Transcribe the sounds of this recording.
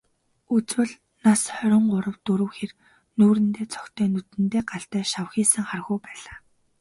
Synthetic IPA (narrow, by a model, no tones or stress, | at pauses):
ut͡swɘ̆ɮ | nasχœɾʲɪ̆ɴɢʊɾə̆wt̪uɾɵ̆wxer | nuːɾɘ̆nt̪eːt͡sʰɔ̥kt̪ʰœːnut̪ɘ̆nt̪eːɢaɬt̪æːʃawxiːsə̆ŋχarɣujpæːɮaː